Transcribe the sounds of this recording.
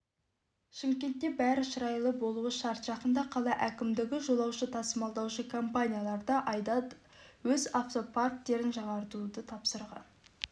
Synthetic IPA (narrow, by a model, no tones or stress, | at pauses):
ʃɪmkʲe̞nt̪ːe̞bæɾɪʃəɾɑjlˠəbo̞lˠuwəʃɑɾt̪ʒ̥ɑqənd̪ɑqʰɑlˠɑʔækʲɪmd̪ɪɡʲɪʒo̞lˠɑwʃət̪ʰɑsəmɑlˠd̪ɑwʃəkʰompanʲijalˠɑɾd̪ɑʔɑjd̪ɑ | wɵzaft̪o̞pʰat̪ːe̞ɾɪnʃəʁɑɾt̪ud̪ət̪ʰɑpsəɾʁɑ̰n